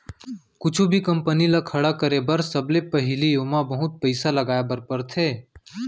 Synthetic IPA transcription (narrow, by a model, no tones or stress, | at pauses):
kʊt͡ʃʰubʱikɐ̃mpənilakʰɐɽakəɾebəɾsəblepɐɦɪlijoːmabɐɦʊt̪̚pəɪsalɐɡaːebəɾpəɾt̪ʰeː